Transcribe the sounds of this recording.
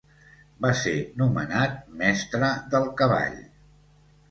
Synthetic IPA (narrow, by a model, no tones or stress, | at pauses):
basenumə̰nat̪̚mɛst̪ɾəd̪əlˠkəβa̰ʎ